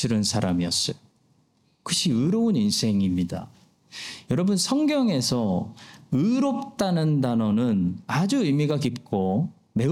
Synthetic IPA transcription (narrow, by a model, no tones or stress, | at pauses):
ɯɾɯnsʰaɾamiʌs͈ʌjo | kɯɕ͈ʰiɯɾʌuninsʰe̞ŋimɲida̰ | jʌɾʌbunsʰʌŋɡjʌŋe̞sʰʌ | ɯɾop̚t͈anɯndanʌnɯnad͡ʑuɯɭmiɡakip̚k͈o | me̞